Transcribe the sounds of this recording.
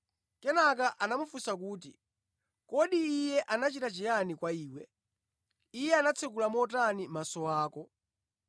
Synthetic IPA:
kɛnakaʔanamufusak̬uːt̬ḭ | kɔɗiːjɛʔanat͡ʃitat͡ʃɛjanikwaiːwɛ | ijɛanat͡sʰɛkulamɔt̬animasɔaːkɔ

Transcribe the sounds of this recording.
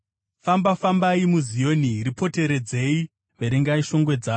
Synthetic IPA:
fambafambaimuzijo̞niɾipʰo̞te̞ɾe̞d͡zei | ʋeɾiŋɡaiʃo̞ŋɡwe̞d͡zaːo

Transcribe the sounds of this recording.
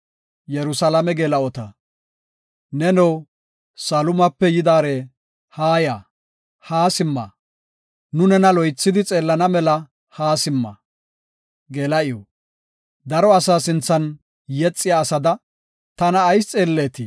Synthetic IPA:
jɛɾʊsɐlɐmɛɡeːlɐɔt̪ɐ | nɛnɛw | sɐlʊmɐpːɛjɪd̪aːɾeː | haːjaː | haːsɪmːɐ̰ | nʊnɛnɐlɔjt͡sːɪd̪ɪt͡sʼe̞ːlːɐnɐmɛlɐ | haːsɪmːɐ̰ | ɡɛːlɐɪjɔ | d̪ɐɾɔɐsaːsɪnt͡sːɐn | jɛt͡sʼːɪjaːsɐd̪ɐ | t̪ɐnɐːjst͡sʼe̞ːlːeːt̪ɪ

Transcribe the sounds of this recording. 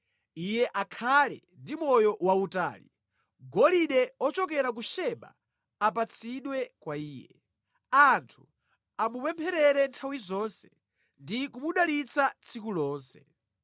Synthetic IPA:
ijɛʔakʰalɛ̰ | ndimɔjɔwauta̰ːli | ɡɔliɗɛɔt͡ʃɔkɛɾak̬uʃɛɓa̰ː | pat͡sʰiɗwɛkwaiːjɛ̰ | antʰu̥ | amupɛmpʰɛɾɛɾɛntʰawizɔnsɛ̥ | ndikumuɗalit͡sʰat͡sʰikulɔːnsɛ

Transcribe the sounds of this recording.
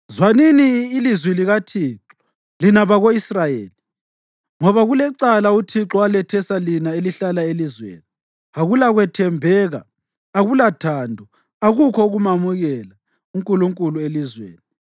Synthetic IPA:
zwaniniːlizwiliɣatʰiːǁɔ̥ | linaβaɣoisrajḛːli | ŋɔβaɣulɛǀalautʰiǁɔalɛtʰɛsalinaeliɬalaelizwḛːni | aɣulaɣwɛtʰɛmbʱɛːɣa̰ː | ɣulatʰandʱɔ | aɣukʰɔuɣumamuɣɛla | uŋkʼuluŋkʼuluelizwḛːni

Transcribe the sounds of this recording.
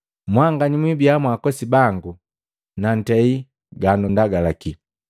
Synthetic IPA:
mwaŋɡaɲimwibiamwakɔsibaŋɡu | nan̩tɛi | ɡanundaɡalaki

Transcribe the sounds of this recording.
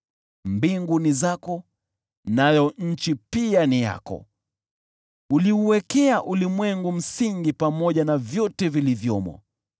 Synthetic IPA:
mbiŋɡunizakɔ | najɔɲ̩t͡ʃipianija̰kɔ̰ | uliuwɛkɛaʔulimwɛŋɡum̩siŋɡipamɔʄanavjɔtɛvilivjɔmwɔ̰

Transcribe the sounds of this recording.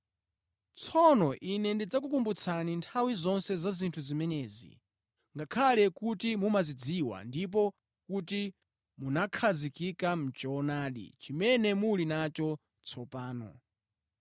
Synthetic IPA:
t͡sʰɔnɔʔinɛndid͡zakukumbut͡sʰanintʰawizɔnsɛzazintʰuzimɛnɛːzḭ | ŋɡakʰalɛkutimumazid͡ziwa̰ndip̬ɔ | kuti | munakʰazikikam̩t͡ʃɔːnaːɗḭt͡ʃimɛnɛmulinat͡ʃɔ | t͡sʰɔpaːnɔ̰

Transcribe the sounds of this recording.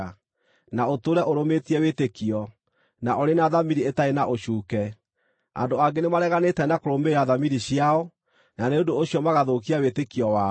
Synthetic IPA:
naotoɾɛʔoɾometiɛweːtekiɔ | naʔɔɾenaðamiɾietaenaʔoɕuːkɛ | a̰ndoaɡenemaɾɛɣanetɛnakoɾomeɾaðamiɾiɕiaɔ | naneondooɕiɔmaɣaðokiawetekiɔwa

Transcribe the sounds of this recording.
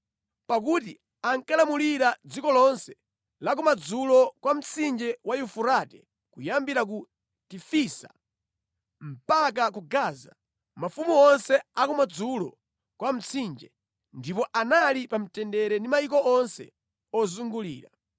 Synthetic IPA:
pak̬uti | aŋkalamuliɾad͡zikɔlɔnsɛ̥ | lakumad͡zulɔkwam̩t͡sʰind͡ʒɛwajufuɾatɛ | kujambiɾak̬u | tifisa̰ | m̩pak̬ak̬uɡaːza | mafumuɔnsɛakɔmad͡zulɔ̰ | kwam̩t͡sʰind͡ʒɛ | ndipɔʔanalipam̩tɛndɛɾɛndimajik̬ɔɔnsɛ̰ | ɔzuŋɡulḭːɾa̰

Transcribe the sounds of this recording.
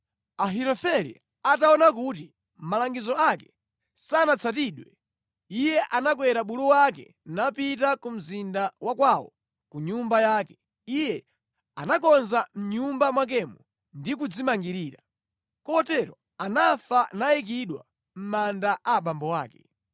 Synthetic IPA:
aɦiɾɔfɛɾḭ | ataɔnak̬ut̬i | m̩malaŋɡizɔakɛ | sanat͡sʰatiɗwɛ | ijɛʔanakwɛɾaɓuluwakɛ̰ | napitakum̩zindawakwawɔ̰ | kuɲumbajakɛ̥ | ijɛ | a̰nakɔnzam̩ɲumbamwak̬ɛmɔ | ndik̬ud͡zimaŋɡiɾiːɾa | kɔtɛɾɔ | anafanajik̬iɗwa̰ | m̩mandaʔaɓambɔwaːkɛ̥

